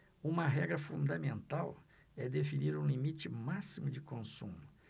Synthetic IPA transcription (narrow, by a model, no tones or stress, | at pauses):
ũmɐɦɛɡɾɐfũnd̪ɐmẽnt̪aw | ɛd̪efiniɾũlimit͡ʃɪmasimʊd͡ʒɪkõsṵ̃mʊ